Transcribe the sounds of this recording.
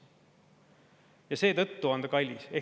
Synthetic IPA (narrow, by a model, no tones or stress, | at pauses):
jɑse̞ːt̪ɤt̪ːuɑnd̪̥ɑkɑlʲːise̞